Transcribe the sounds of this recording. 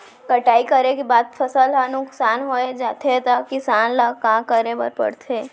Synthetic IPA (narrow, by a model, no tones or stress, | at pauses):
kəʈaːikəɾekibaːt̪̚fʰɐsəlɦanʊksaːnɦoːed͡ʒaːt̪ʰet̪akɪsaːnlakãkəɾebə̰ɾpə̰ɽt̪ʰeː